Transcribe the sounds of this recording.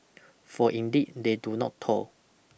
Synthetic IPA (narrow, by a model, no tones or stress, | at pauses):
fɔʔĩndid̚dedunɔ̰ttʰɔ̰l